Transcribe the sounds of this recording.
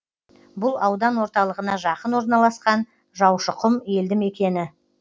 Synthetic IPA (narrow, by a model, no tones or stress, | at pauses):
bʊlˠɑwd̪ɑnwo̞ɾt̪ɑlˠəʁənɑʒɑqənwo̞ɾnɑlˠɑsqɑn | ʒɑwʃəqəmje̞ld̪ɪme̞kʲe̞nɪ